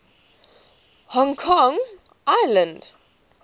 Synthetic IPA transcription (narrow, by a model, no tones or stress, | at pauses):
hɔ̃ŋkʰɔ̃ŋʔajlə̃nd